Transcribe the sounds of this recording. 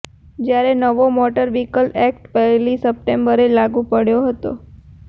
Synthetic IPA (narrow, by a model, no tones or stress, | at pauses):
d͡ʒjaɾenəʋomɔʈəɾʋikəlɛk̚ʈpəɦlisəp̚ʈembəɾelaɡũpəɽjoɦət̪o̰